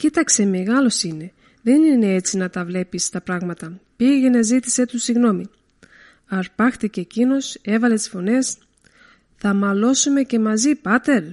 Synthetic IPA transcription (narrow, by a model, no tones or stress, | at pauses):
cit̪ɐkse̞meɣɐlo̞sine̞ | ðe̞nine̞et͡sinɐt̪ɐvle̞pist̪ɐpɾɐɣmɐt̪ɐpiʝe̞ne̞zit̪i̥se̞t̪usiɣno̞mi | ɐɾpɐxt̪icecino̞se̞vɐle̞t̪i̥sfo̞ne̞s | θɐmɐlo̞sume̞ce̞mɐzipɐt̪e̞l